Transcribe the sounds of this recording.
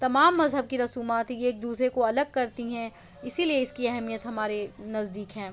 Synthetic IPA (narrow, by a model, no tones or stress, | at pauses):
t̪ɐmaːmːɐzɦəb̚kiɾɐsuːmaːt̪eːk̚d̪uːsɾekoɐləɡ̚kɐɾt̪iɦɛ̃ː | ɪsilieɪskiɐɦɛmijət̪ɦɐmaːɾenɐzd̪iːkɦɛ̃ː